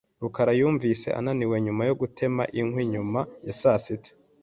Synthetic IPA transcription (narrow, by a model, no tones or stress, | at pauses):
ɾukaɾajuːɱvise̞̰ʔa̰naniwe̞ɲumajo̞ɡutʰe̞ma̰ʔiŋhwiɲumajasasite̥